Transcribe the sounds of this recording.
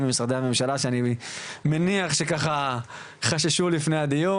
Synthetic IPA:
memisʁad̪eamemʃalaʃeanimeniaχʃekaχa | χaʃaʃulifnejad̪iju

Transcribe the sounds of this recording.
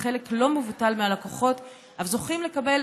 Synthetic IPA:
χeleklo̞mevutalmealakoχo̞t | ʔavzo̞χimle̞kabel

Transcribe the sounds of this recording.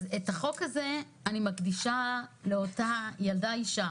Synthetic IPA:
zetaχo̞khaze̞ | animakdiʃale̞otajaldaiʃa

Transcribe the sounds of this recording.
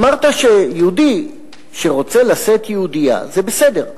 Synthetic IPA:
maʁt̪aʃe̞jeud̪i | ʃe̞ʁo̞t͡se̞laset̪jeud̪ija̰ze̞bese̞d̪e̞ʁ

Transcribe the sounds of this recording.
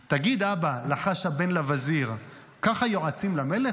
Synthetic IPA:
t̪aɡid̪abalaχaʃhabe̞nlavaziʁ | kaχajoat͡simlamele

